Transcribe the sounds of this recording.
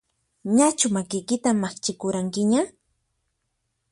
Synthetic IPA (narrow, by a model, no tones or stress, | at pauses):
ɲat͡ʃʊmakɪjkɪt̪amːaχt͡ʃɪkʊɾaŋkɪɲa